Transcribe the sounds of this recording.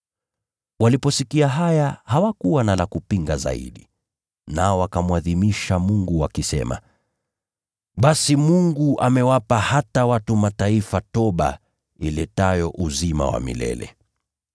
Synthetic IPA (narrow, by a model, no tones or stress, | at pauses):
walipɔsikiaɦajahawakuwanalakupiŋɡaza̰ḭɗi | naɔwakamuaðimiʃamuŋɡuwakisɛ̰ma̰ | ɓasimuŋɡuʔamɛwapahatawatumataifatɔɓa̰ | ilɛtajɔʔuzima̰wa̰mḭlɛ̰lɛ̰